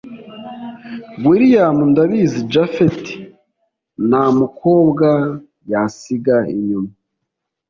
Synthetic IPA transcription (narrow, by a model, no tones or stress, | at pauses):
ɡwiɾijamundaβizid͡ʒafeti̥ | namukʰo̞ːbɡa | jasiɡaḭɲuma